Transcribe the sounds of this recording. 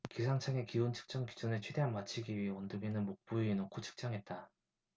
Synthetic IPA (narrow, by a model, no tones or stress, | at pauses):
kisʰaŋt͡ɕʰaŋe̞kiont͡ɕʰɯ̥k̚t͡ɕ͈ʌŋki̥d͡ʑunet͡ɕʰwe̞de̞ɦanmat͡ɕʰiɡiɥiɦeʌndoɡenɯnmok̚p͈uiːnokʰot͡ɕʰɯ̥k̚t͡ɕ͈ʌŋɦe̞t̚t͈a